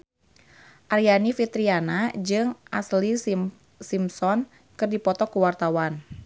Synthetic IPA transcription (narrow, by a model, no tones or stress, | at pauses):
ʔarjanifit̪ɾianad͡ʒɨŋʔasli | simsɔn | kɨrdipɔt̪ɔkuwart̪awan